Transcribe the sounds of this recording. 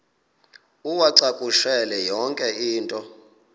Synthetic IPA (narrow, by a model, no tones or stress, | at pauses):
uwaǀakʼuʃɛlɛjɔŋkʼɛiːntʼɔ